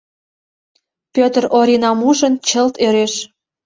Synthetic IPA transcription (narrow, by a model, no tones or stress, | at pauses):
pʲøt̪əroɾinɑmuʒənt͡ɕəlt̪øɾeʃ